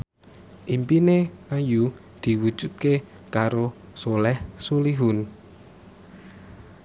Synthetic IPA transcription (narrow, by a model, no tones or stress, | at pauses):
ʔimpineaju | d̪̥i̤wud̥ʒ̥ṳt̪̚ke | kaɾosolɛhsuliɦun